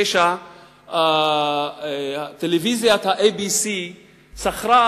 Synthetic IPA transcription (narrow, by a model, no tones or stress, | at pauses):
eʃa | a | t̪elevizjat̪haʔebisi | saχɾa